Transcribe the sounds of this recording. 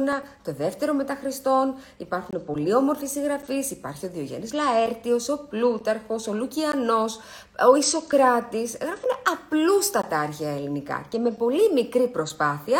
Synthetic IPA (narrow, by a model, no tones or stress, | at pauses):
nɐt̪o̞ðe̞ft̪e̞ɾo̞me̞t̪ɐxɾist̪o̞n | ipɐɾxune̞po̞lio̞mo̞ɾfisiŋɣɾɐfisipɐ̰ɾçio̞ðio̞ʝḛnislɐeɾt̪io̞so̞plut̪ɐɾxoso̞luciɐno̞s | o̞iso̞kɾɐt̪isɣɾɐfune̞ʔɐplust̪ɐt̪ɐɾçiɐelinikɐ̰ce̞me̞po̞limikɾipɾo̞spɐθiɐ